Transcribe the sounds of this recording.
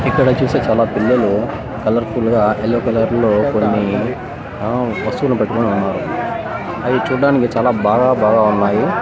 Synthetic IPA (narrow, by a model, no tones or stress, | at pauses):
ikːɐɽɐt͡ʃuːse̞ːt͡ʃaːlaːpilːɐlu | kɐlɐɾkuːlɡaːelːoːkɐlɐɾlo̞ːko̞nːi | ʋɐst̪uːlnipeʈːukoːneunːaːɾu | ɐjit͡ʃuːɽaːnikit͡ʃaːlaːbaːɡaːbaːɡaːunːaːji